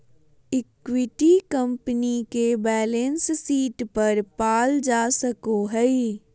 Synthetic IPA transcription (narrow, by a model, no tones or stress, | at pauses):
ɪkwɪʈikə̃mpənikebɛːlẽnssiːʈpɐɾpaːld͡ʒaːsəkoɦɛi